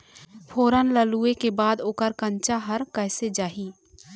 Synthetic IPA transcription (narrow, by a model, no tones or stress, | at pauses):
pʰoːɾənləluːekebaːd̪oːkəɾkə̃ɲt͡ʃaɦəɾkɛːsed͡ʒaːɦiː